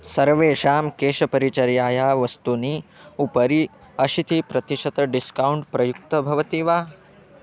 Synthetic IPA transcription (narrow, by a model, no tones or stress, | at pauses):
sɐɾʋeːʃaːmkeːʃɐpɐɾit͡ʃɐɾjaːjaːʋɐst̪uniupɐɾi | ɐʃit̪ipɾɐt̪iʃɐt̪ɐɖiskɐuɳʈpɾɐjuk̚t̪ɐbʱɐʋɐt̪iːʋaː